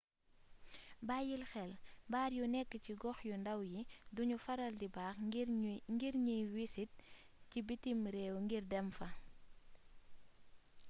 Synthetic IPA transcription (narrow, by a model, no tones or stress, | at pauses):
baːjilxɛlbaːɾjunɛkːəciɡɔxjundɐwjiduɲufɐɾɐldibaːx | ŋɡiɾɲiwisit̚ | cibitːimɾɛːwŋɡirdɛmfɐ